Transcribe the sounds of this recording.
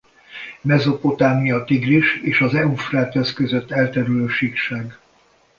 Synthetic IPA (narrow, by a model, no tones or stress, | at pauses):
mɛzo̞po̞t̪aːmijɒt̪iɡriʃeːʃɒzɛufraːt̪ɛskøzøt̪ːɛlt̪ɛɾyløːʃikʃaːɡ